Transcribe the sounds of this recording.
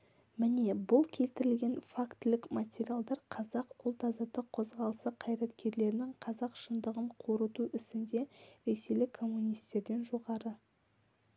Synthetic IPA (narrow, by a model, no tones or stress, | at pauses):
mɪne̞bʊlˠkʲʰe̞lt̪ɪɾɪlɡʲe̞nfakt̪ɪlɪkmat̪ʲe̞ɾialˠd̪ɑɾqʰɑzɑqʊlˠt̪ʰɑzɑt̪əqʰːo̞zʁɑlˠəsəqʰɑjɾɑt̪kʲʰe̞ɾle̞ɾɪnɪŋqʰɑzɑqʃənd̪əʁəɴqʰoɾət̪uʔɪsɪnd̪e̞ɾe̞se̞jlɪkʰːo̞mːunijst̪e̞ɾd̪e̞nʒo̞ʁɑɾə